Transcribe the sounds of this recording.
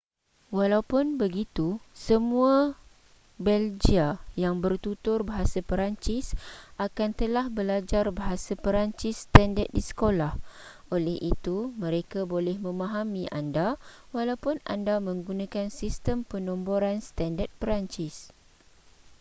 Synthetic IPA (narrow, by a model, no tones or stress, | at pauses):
walawpʊnbəɡit̪usəmũa | bɛld͡ʒiajaŋbərt̪ut̪ʊrbaɦasapəɾaɲt͡ʃɪsʔakant̪əlahbəlad͡ʒarbaɦasapəɾaɲt͡ʃɪsːt̪andət̪̚disə̥kolah | ʔolɛhʔit̪umə̃ɾekabolɛhmə̃mãɦamĩʔa̰ndawalawpʊna̰ndamə̃ŋɡunãkansist̪əmpənɔ̃mboɾanst̪andət̪̚pəɾaɲt͡ʃɪs